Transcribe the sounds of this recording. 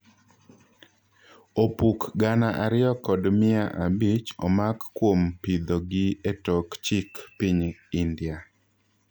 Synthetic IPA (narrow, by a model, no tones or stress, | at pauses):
opukɡanaʔaɾɪjɔkɔdmɪaʔabit͡ʃɔmakːwompid̪ɔɡɪetɔkt͡ʃikpiɲindɪja